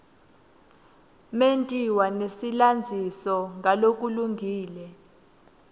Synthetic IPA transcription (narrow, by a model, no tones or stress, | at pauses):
mentʼiwanesiland͡zʱisɔŋɡʱalok̬ʼuluŋɡʱiːlɛ